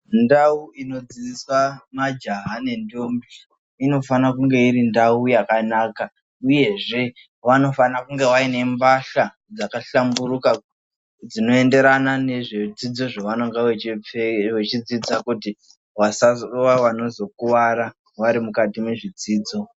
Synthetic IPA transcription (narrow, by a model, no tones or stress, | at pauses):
ndauino̞d͡ziiswamad͡ʒaɦane̞ndombi | ino̞fanakuŋɡe̞iɾindaujakanaːka | uje̞ʐe̞ | ʋano̞fanakuŋɡe̞ʋaine̞mbaɬa | d͡zakaɬambuɾuka | d͡zino̞e̞nde̞ɾanane̞ʐed͡zid͡zo̞ʐaʋanoŋɡaeeʋet͡ʃid͡zid͡zakuti | ʋasaoʋaʋano̞zo̞kuʋaɾa | ʋaɾimukatime̞ʐid͡ziːd͡zo̞